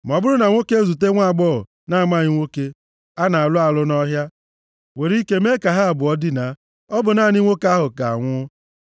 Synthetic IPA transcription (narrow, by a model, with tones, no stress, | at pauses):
m˨ɔ˨bʊ˦ɾʊ˦na˨ŋʷo˦ke˦e˦zu˨t̬e˦ŋʷa˦˨ɡ͡bɔ˦ʊ̰˨ | na˦˨ma˦˨ɲɪ˦ŋʷo˦ke˦ | a˦na˨a˨lʊ˦a˨lʊ˦nɔ˦ɦja˦ | we˨ɾi˦ke˦me˦ka˨ɦa˦a˨bʊ˨ɔ˦dɪ˦na˨ | ɔ˦bʊ˨na˦˨ni˦ŋʷo˦ka˦ɦʊ˨ka˨a̰˨ŋʷʊ˦